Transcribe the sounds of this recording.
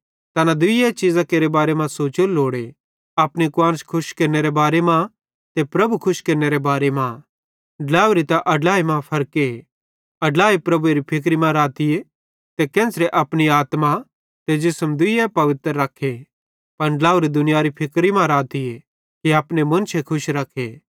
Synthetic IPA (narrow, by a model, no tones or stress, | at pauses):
t̪ɐnad̪ʊɪjet͡ʃizakeːɾebaːɾemãsoːt͡ʃʊlːoːɽe | apnikwaːñskʰʊʃkeːɾneɾebaːɾemã | t̪epɾɐbʱukʰʊʃkeːɾneɾebaːɾemã | ɖlaːuɾit̪aʔɐɖlaːimãpʰɐɾke | ɐɖlaːipɾɐbueːɾipʰɪk̬ɾimãɾaːt̪ie | t̪ekɛ̃ːsɾeʔɐpñiaːt̪ma | t̪ed͡ʒɪsəmd̪ʊiɛpɐʋɪt̪ɾəːɐkʰːe | pɐnɖlaːuɾid̪ʊnɪjaːɾipʰɪkɾimãɾaːt̪ie | kiaːpnemʊ̃nt͡ʃʰekʰʊʃɾɐkʰːe